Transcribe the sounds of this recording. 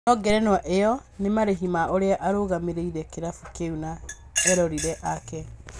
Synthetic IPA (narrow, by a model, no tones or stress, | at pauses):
nɔɡɛɾɛnwaʔeɔnemaɾeɦimaʔoɾeaʔaɾoɣameɾeiɾɛkeɾafukeuna | ɛɾɔɾiɾɛʔakɛ